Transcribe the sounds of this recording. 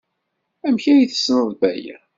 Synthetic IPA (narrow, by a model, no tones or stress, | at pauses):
æmçæjiθə̥snəðˤbæjæ̰